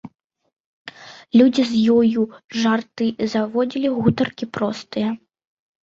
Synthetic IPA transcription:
lʲud͡zʲizjɔjuʐart̪ɨzavɔd͡zʲilʲiɣut̪ɐrkʲipɾɔst̪ɨjɐ

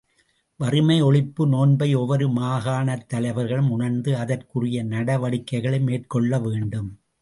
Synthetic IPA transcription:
ʋɐrɯmɐɪɔɭɪpːɯnoːnbɐɪɔʋɐɾɯmaːɣaːnɐt̪ːɐlɐɪʋɐɾɣɐɭɯmʊɳɐɾnd̪ɯɐðɐrkɯrɪjɐnɐɽɐʋɐɽɪkːɐɪɣɐɭɐɪmeːʈ̚kɔɭːɐʋeːɳɖɯm

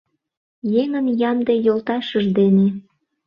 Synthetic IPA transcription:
jeŋənjɑmd̪ejolt̪ɑʃəʒd̪ene

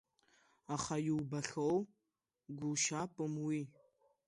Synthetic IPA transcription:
aχajiwbɐɬow | ɡʷʊʃaːpʼɨmwi

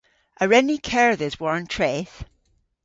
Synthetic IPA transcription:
ʔəɹɛnikʰɛɹðɪzwɔɹə̃ntʰɹ̥eθ

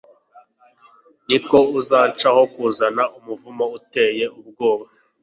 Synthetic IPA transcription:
niko̞uzaːt͡ʃaho̞kuzanaʔumuvumouteje̞ub̚ɡo̞ːβa

